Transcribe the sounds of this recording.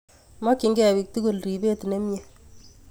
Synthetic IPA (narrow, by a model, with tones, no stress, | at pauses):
mɔ˦ki˨˦ŋɡɛ˨wi˨k̚tu˦ɡu˦˨lri˨be˦ti˨ne˦mje˨